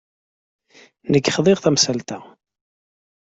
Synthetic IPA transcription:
nəɡːχðˤɪʁθæmsælt̪æ

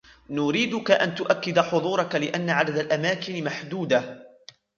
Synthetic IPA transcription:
nʊɾiːd̪ʊkaʔant̪ʊʔakːɪd̪ħʊðˤuːɾˤɑkalɪʔanːaʕad̪ad̪alʔamaːkɪnɪmaħd̪uːd̪a

